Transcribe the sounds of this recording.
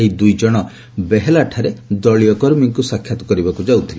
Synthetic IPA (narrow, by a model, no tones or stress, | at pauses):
ɦid̪ujd͡ʒɔɽ̃ɔ | beɦelaʈʰaɾed̪ɔɭijɔkɔɾmiŋkusakʰjat̪ɔ̥kɔɾibakud͡ʒawt̪ʰili